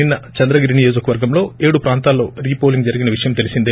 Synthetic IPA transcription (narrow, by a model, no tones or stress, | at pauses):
inːɐt͡ʃɐnd̪ɾɐɡiːɾinijoːd͡ʒɐkɐʋɐɾɡɐmlo̞ːeːɽupɾaːnt̪aːlːo̞ːɾiːpo̞ːliŋɡd͡ʒɐɾiɡinɐʋiʂɐjɐmt̪elisind̪e